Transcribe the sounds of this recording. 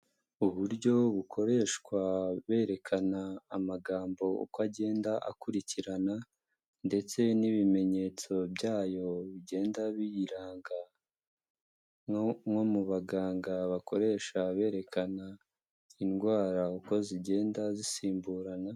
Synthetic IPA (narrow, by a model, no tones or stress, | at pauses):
uβuɾɟo̞βukʰo̞ɾe̞ːʃkwaβe̞ːɾe̞kʰanaːmaɡaːmbo̞ṵkaɟe̞ːndaʔa̰kuɾiciɾana | nde̞t͡se̞niβime̞ɲe̞ːt͡so̞bɟaːjo̞βiɟe̞ːndaβijiɾaːŋɡa | mŋomuβaɡaːŋɡaβakʰo̞ɾe̞ːʃaβe̞ːɾe̞kʰana | inɡwaːɾauko̞ziɟe̞ːndazisiːmbuːɾana